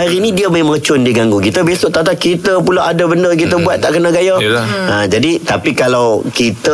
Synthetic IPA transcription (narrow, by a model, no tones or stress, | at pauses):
aɾinĩdiəməmət͡ʃʊndiɡaŋɡukit̪əbesʊʔt̪at̪aʔ̚kit̪əpulaʔadabəndərk̬it̪əbuat̪̚ːaʔkənãɡajalə̃d͡ʒadit̪apikalawkit̪ə